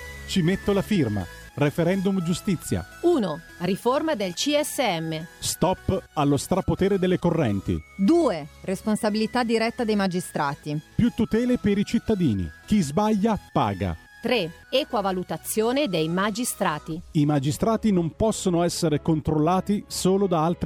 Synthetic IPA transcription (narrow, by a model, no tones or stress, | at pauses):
t͡ʃimet̪ːolafirma̰ | refeɾɛnd̪umd͡ʒust̪it̪sːja̰uːno | riformad̪elt͡ʃiɛsːeɛmːest̪ɔpːalːost̪ɾapːot̪eːɾed̪elːekorːɛnt̪ḭd̪uːeresponsabilit̪ad̪iɾɛt̪ːad̪ejmad͡ʒist̪ɾaːt̪ipjut̪ːut̪ɛːlepeɾit͡ʃit̪ːad̪iːnḭk̟izbaʎːapa̰ːɡa̰ | t̪ɾe | ɛːkwavalut̪at̪sːjoːned̪ejmad͡ʒist̪ɾaːt̪iimad͡ʒist̪ɾaːt̪inompɔsːonoɛsːeɾekont̪ɾolːaːt̪isoːlod̪aalt̪ɾ